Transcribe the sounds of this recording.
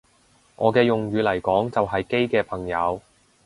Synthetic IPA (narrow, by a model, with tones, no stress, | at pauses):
ŋʔɔː˨˧kɛː˧jʊ˨ŋɥyː˨˧lɐ˨˩jkɔː˨˥ŋt͡sɐ˨wɦɐ˨jke˥jkɛː˧pʰɐ˨˩ŋjɐ˨˧w